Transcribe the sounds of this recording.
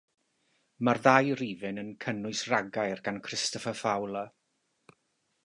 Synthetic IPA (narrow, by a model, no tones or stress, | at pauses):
marðajriːvɨnənkʰənʊɨsraɡajrɡankʰrɪstɔfəfawlˠə